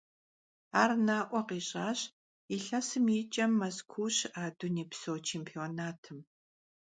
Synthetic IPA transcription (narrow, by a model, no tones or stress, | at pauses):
aːrnaːʔʷɔqiːɕʼaːɕ | iɬɐsɨmiːt͡ʃʼɐmːɐskʷʰuːɕaːduniːpsowt͡ʃʰeːmpʰioːnaːtʰɨm